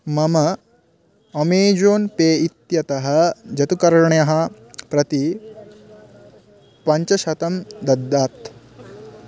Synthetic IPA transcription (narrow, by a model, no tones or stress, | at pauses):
mɐmɐ | ɐmeːd͡ʒoːnpeːit̪jɐt̪ɐɦɐ̆d͡ʒɐt̪ukɐɾɐɳjɐɦɐ | pɾɐt̪i | pɐɲt͡ʃɐʃɐt̪ɐmd̪ɐd̪ːaːt̪